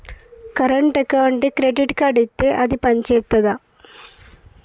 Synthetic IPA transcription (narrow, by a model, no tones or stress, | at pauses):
kɐɾɐɳʈekːɐʋɐɳɖɨkɾeɖiʈːkɐɖit̪ːeʔɐðipɐɲd͡ʑejt̪ːɐða